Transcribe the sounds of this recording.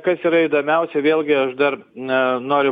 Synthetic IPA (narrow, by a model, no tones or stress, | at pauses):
kɐsiːɾɐɪːd̪oːmʲɛʊsʲɛʋʲeːlʲˠɡʲɪɐʃd̪ɐrnoːɾʲʊ